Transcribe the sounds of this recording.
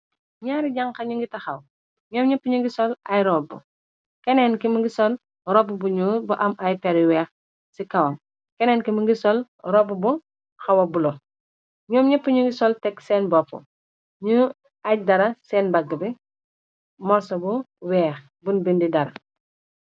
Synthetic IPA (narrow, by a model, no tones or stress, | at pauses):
ɲaːɾiɟaŋkɐɲuŋɡitɐxɐw | ɲɔːmɲɐpːuɲuŋɡisɔlɐjɾɔːbːṵ | kɛnɛnkimuɡisɔl | rɔbubuɲubuʔɐmʔɐjpɛɾiwɛːx | sikɐwɐm | kɛnɛːnkimuŋɡisɔl | ɾɔbubu | xɐwɐbulɔ | ɲɔːmɲɐpːuɲuŋɡisɔltɛksɛːnbɔfṵ | ɲu | ɐɟ̚dɐɾɐsɛːnbɐɡɐbɛ | mɔsɐbuwɛːx | bunbindidɐɾɐ